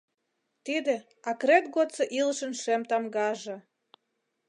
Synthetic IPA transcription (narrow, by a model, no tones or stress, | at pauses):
t̪id̪ĕ | ɑkɾet̪ɡot̪t͡sɤ̆ʔiləʃə̆nʃemt̪ɑmɡɑʒɤ̆